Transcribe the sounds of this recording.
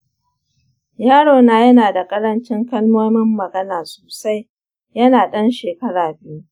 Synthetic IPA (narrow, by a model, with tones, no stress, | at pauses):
jaː˦ɽoː˨naː˨jɐ˦naː˨da˨kʼɐ˦ɾɐ˦nt͡ʃɪ˦ŋkɐ˦lmoː˦mɪ˦mːɐ˨ɡɐ˦naː˨so̥ː˨sa˦j | jɐ˦naː˨ɗɐ˦nʃeː˨kɐ˦ɽaː˨bɪ˦ju˦